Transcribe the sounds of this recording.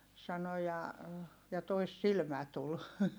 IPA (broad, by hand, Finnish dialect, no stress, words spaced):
sɑno jɑ jɑ toisːilmæ tul